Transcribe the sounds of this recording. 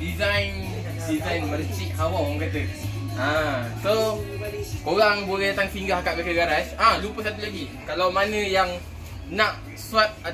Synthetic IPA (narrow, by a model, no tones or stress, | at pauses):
dizajn | dizajnməlt͡ʃik̚awawãŋkat̪ə | ãso | koɣaŋbolɛhdat̪aŋfiŋɡahakat̪̚bakəɡaɾasãlupəsat̪ulaɡikalawmãnə̃jaŋ | nãʔ | suwat̪̚a